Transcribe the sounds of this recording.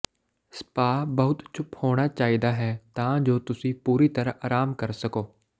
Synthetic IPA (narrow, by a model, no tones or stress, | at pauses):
spaːbəɦʊt̪t͡ʃʰʊphoːɽ̃aːt͡ʃaːɦiːd̪aːɦɛːt̪ãːd͡ʒoːt̪ʊsĩpuːɾit̪əɾaʔaːɾaːmkəɾsəkoː